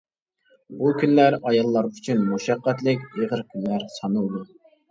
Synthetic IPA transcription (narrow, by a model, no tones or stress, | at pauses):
bukʲʰynlæɾɑjɑlˠːɑɾyt͡ʃʰynmuʃɑqːæt̪lɪkʲeʁəɾkʲʰynlæɾsɑnud̪u